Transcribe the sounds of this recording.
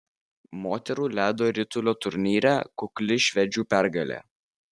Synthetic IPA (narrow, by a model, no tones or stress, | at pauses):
moːt̪ʲɛɾuːlʲæːd̪oːɾʲɪt̪ʊlʲoːt̪ʊɾʲnʲiːɾʲæ̰ːkʊklʲɪʃʲʋʲɛd͡ʒʲuːpʲæɾɡɐlʲḛː